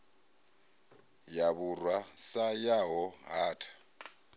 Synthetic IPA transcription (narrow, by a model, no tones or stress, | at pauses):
jaβurwasajaɦɔɦaːtʰḁ